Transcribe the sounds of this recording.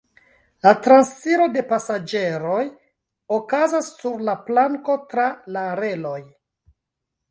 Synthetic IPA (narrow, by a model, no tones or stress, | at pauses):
latɾansfiɾo̞de̞pasad͡ʒe̞ɾo̞j | okazasːuɾlaplaŋko̞tɾalaɾe̞lo̞j